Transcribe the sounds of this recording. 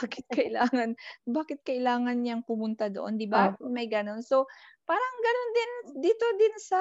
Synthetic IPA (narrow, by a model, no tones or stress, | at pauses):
aːkɪt̪̚kɐʔɪlaːŋɐnbaːkɪt̪̚kɐʔɪlaːŋɐnɲaŋpʊmʊnt̪ad̪o̞ʔo̞nd̪ɪbamɐjɡɐno̞nso̞paːɾɐŋɡɐno̞nd̪ɪnd̪iːt̪o̞d̪ɪnsɐ